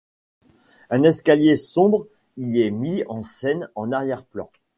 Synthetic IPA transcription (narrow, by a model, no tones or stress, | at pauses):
ɛ̃nɛskaljesɔ̃bʁ | iɛmiɑ̃sɛnɑ̃naʁjɛʁplɑ̰̃